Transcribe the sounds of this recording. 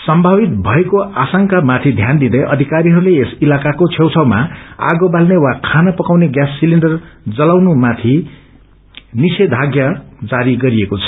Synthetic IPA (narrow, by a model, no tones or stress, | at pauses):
sʌmbʱabit̪̚bʱʌekoasaŋkamat̪ʰid̪ʱjand̪id̪ʌjʔʌd̪ʱikaɾiɦʌɾuleesilakakot͡sʰewt͡sʰʌwma̰a̰ɡobalnewakʰanʌpʌkawneɡjasːiliɳɖʌrd͡zʌlawnumat̪ʰi | nised̪ʱaɡjʌd͡zaɾiɡʌɾiekot͡sʰʌ̥